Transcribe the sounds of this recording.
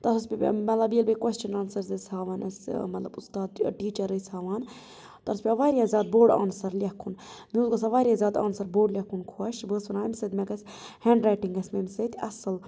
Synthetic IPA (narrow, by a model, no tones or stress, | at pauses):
t̪ɐsɐspʲmɐlɐbiəlbɐkwest͡ʃɐnaːnsɐɾzɐsʲhaːʋaːnɐsʲmɐt̪lɐbust̪aːd̪ʈiːt͡ʃɐɾəsʲhaːʋaːn | t̪ɐɾspʲiɐʋaːɾijaːzʲaːd̪̚boːɖa̰ːnsɐɾlʲɐkʰunmiuzɡɐsɐʋaːɾijazʲaːd̪a̰ːnsɐɾboːɖlʲɐkʰːunkʰuɐʃbəːsʋɐnaːmsɐd̪mʲɐɡɐsʲheːɳɖɾaːjʈiŋɡɐsʲmemsɐt̪ʲʰɐsɨl